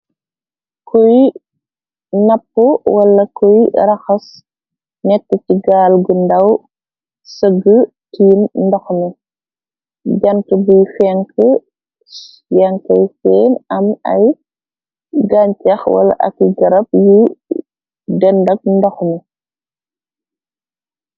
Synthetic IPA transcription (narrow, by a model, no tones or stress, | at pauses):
kʰɔj | nɐpːuwɐlɐkɔjɾɐxɐs | nɛtːəciɡaːlɡundɐw | səɡə | tiːnndɐxmɛ | ɟɐntubujfɛŋkə | jaŋkɐjfɛːnɐmɐj | ɡaɲcɐxwɐ̰lɐ̰ʔɐ̰kːiɡɐɾɐp̚ju | dɐndɐk̚ndɐxmɛ